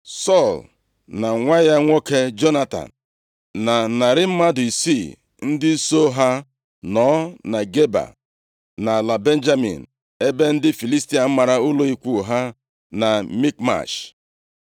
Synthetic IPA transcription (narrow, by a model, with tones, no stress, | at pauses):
sɔ˦˨l | na˨ŋʷa˦ja˦ŋʷo˦ke˦d͡ʒo˦na˦ta̰˨n̩˨ | na˨na˨ɾɪ˦m̩˦ma˦dʊ˨i˨si˦˨ | n̩˦dɪ˦so˦ɦa˦ | nɔ˨˦na˨ɡe˦ba̰˨ | na˨la˨be˦n˦d͡ʒa˦mḭ˨n̩˨ | e˦be˦n̩˦dɪ˦fi˨li˦sti˨˦a˨m̩˦ma˨ɾa˦ʊ˦lo˦i˨kʷu˦˨ɦa˦ | na˨mi˦k̚ma̰˨ʃ